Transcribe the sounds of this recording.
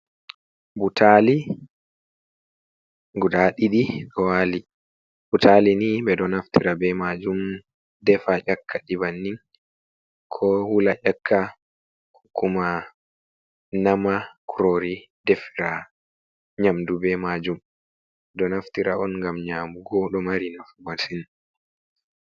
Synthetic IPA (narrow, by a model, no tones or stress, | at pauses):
butʰali | ɡudaɗiɗiɗɔwali | butʰalinibɛdɔnaftiɾabɛmad͡ʒum | dɛfaʔakʰːaɗibanːiŋ | kʰɔhulaʔakʰːa | hu̥kʰːuma | namakʰuɾoɾidɛfiɾa | ɲamdubɛmad͡ʒum | dɔnaftiɾaɔnŋɡamɲaːmuɡɔɗɔmaɾinafubasin